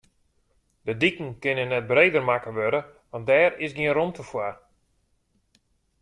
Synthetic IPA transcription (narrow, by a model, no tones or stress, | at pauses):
dədikn̩kɪnənːɛt̚breːdərmakəʋøɾəʋant̚dɛːrɪsɡiənromtəfwar